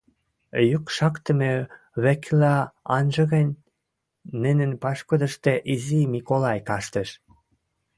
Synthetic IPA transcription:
jukʃɑkt̪ə̆me | βæklɑɑnʒɤ̆ɣenʲ | nɘ̆nɘ̆npɑʃkŏd̪ə̆ʃt̪eʔizimikolɑjkɑʃt̪ə̆ʃ

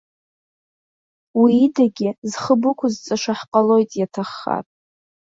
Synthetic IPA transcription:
wiːdaɡʲɪzχəbʊkʷʰʊzt͡sʼaʂaħqʼalo̞jtʼjatʰaχːa̰pʼ

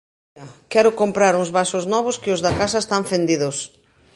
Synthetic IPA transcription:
ɐkɛɾʊkompɾaɾʊŋzβasʊznɔβ̞ʊskɪʊzðakas̬ɐest̪aɱfend̪iðʊs

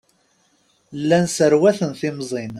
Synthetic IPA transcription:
lːænsəɾwæθənθimzˤin

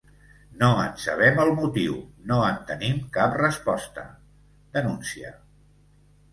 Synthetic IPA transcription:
noənsə̰β̞ɛməlˠmut̪iwnoənt̪ənimkaprəspɔst̪ə̰ | d̪ənunsiə̰

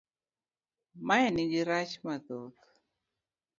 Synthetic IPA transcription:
majaniɡiɾat͡ʃmaðot

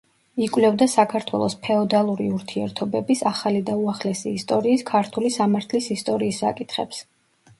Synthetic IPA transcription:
ikʼwlɛvd̪asakʰaɾt̪ʰwɛ̰lˠɔspʰɛɔd̪alˠuɾiuɾt̪ʰiɛɾt̪ʰɔbɛbisaχalid̪auaχlɛsiːst̪ʼɔɾiːskʰaɾt̪ʰulisamaɾt̪ʰlisist̪ʼɔɾiːsːa̰kʼit̪ʰχɛ̰ps

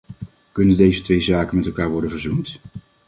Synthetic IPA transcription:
kɵnəndejzətʋejzaːkənmɛtɛlˠkaːɹʋɔɹdənvəɹzunt

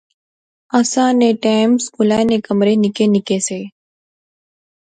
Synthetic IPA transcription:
əsãːneʈaːmskʊlaːenekəmɾenɪkenɪkeːseː

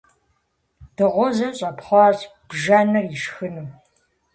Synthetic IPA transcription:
d̥ɨʁʷɔzɐɕʼɐpχʷɑːzb̥ʒanɐriʃxɨnuː

